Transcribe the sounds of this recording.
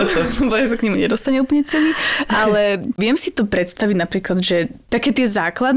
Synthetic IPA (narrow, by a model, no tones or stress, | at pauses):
bɔɛsakɲɛmuɲɛd̪ɔst̪aɲɛuːp̬lɲɛt͡sɛniːʔalɛʋɪɛmsit̪ɔpɾɛt̪st̪aʋiɟnapɾiːklad̪ʒɛt̪akɛːt̪ɪɛzaːklad̪